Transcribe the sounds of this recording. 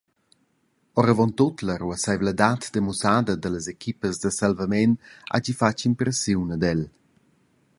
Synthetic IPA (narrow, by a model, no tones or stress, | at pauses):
ɔɾəvɔnt̪ot̪ləɾuəsajvləd̪at̪d̪əmusad̪əd̪ələzekʰipəzd̪əsalvamɛna̰d͡ʒifat͡ʃimpɾəsunəd̪ɛl